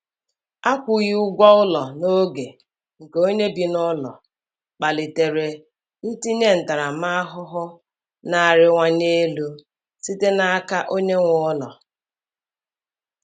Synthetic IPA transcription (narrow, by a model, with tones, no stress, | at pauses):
a˦kʷʊ˨ɣi˦ʊ˦ɡʷɔ˦ʊ˦lɔ˨no˦ɡe˨ | ŋ̩˨ke˨o˦ɲe˦bi˨nɔ˦lɔ̰˨ | k͡pa˨lɪ˨te˨ɾe˨ | n̩˦ti˦ɲe˦n̩˨ta˨ɾa˨ma˦a˦ɦʊ˦ɦʊ˦ | na˨ɾɪ˦ŋʷa˦ɲe˦lu˦ | si˦te˦na˦a˦ka˦ʔo˦ɲe˦ŋʷɔ˦lɔ̰˨